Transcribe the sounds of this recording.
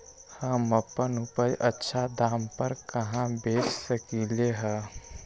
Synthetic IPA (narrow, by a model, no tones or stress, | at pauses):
hãməpːənʊpəjʔətːʃʰad̪aːmpəɾkɐɦãbeːt͡ʃsəkileɦɛː